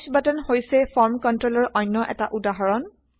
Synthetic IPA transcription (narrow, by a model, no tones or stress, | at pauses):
sbatɔnhojsɛfʰɔɹmkɔntɹɔlɔɹʔɔjnːɔʔɛ̰taʔudaɦɔɹɔn